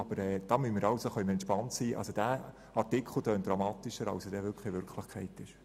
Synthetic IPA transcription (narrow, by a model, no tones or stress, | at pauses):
ɑb̥əɾɛːd̥ɑːmynmɪɾɑwsoχœʏməɛnʃpɑntsiːʔɑ̰lsod̥æː | ɑrtɪkʰl̩tœːnt̚d̥ɾɑmɑːt̪iʃəɾɑ̰wsɛdɛʋʏɾkχlɪʋʏɾkʰləχkʰɛɪtɪʃ